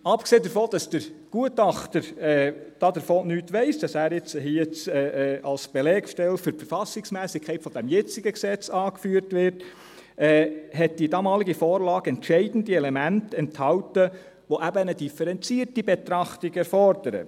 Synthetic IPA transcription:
ɑpkseːdəɾfoːd̥ɑsd̥əɾɡ̥uətɑχt̪əɾɛːd̥ɑːd̪əɾfoːnyːtʋɛɪsd̥ɑsæːɾjɪt͡shiət͡sɛːʔɑlsb̥elɛːkʃtɛlfyɾfəɾfɑsɪksmæːsɪkʰɛɪtfɔd̥æmjɛt͡sɪɡəksɛt͡sɑːkfyːəɾtʋɪɾt | ɛɦɛt̚d̥idɑːmɑːliɡifoːɾlɑːɡ̥ɛntʃɛɪdən̩diɛlɛmæntɛnthɑwtə | ʋoʔæbənədifɛɾɛnt͡siːɾtibet̪ɾɑχtɪɡɛɾfɔɾdəɾə̰

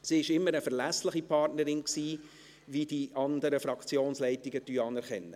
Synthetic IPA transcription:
siːɪʃɪmːəɾəfɛɾlæslɪχipʰɑrtnəɾɪnksiː | vid̥iʔɑnd̪əɾəfɾɑkt͡sjoːnslɛɪtɪɡətyːɑnɛɾχɛnːə

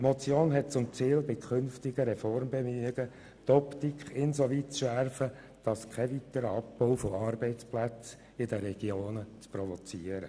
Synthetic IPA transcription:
tmɔt͡sjoːnɦɛt̚t͡sʊmt͡siːlbɪkʰχʏnftɪɡəɾɛfɔrmbemyəɡə | t̪ɔpt̪ikχɪnsoʋitsʃæɾfə | d̥ɑskʰɛʋitəɾəɑpːoʊfoɑːɾbɛɪt͡splæt͡s | ɪd̥əɾɛɡ̥joːnət͡sprɔvot͡siːəɾə

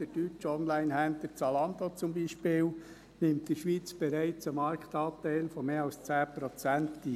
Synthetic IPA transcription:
d̥əd̥yt͡ʃɔnlæɪnɦænt̪ət͡sɑlɑnd̪ot͡sʊmbiʃpɪːl | nɪmtd̥iʃʋiːt͡sb̥ɛɾæɪt͡səmɑɾkt̪ɑːt̪æɪlfɔmeːɑlst͡sæːpɾɔt͡sænti

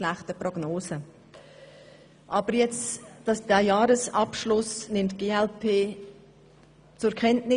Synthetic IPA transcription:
læχtəprɔɡ̥noːsə | ʔɑb̥əɾjɛt͡sd̥ɑsd̥æjɑːɾəsɑpʃlʊsnɪmtɡ̥eːɛlpʰeː | t͡sʊɾkʰɛntnɪ

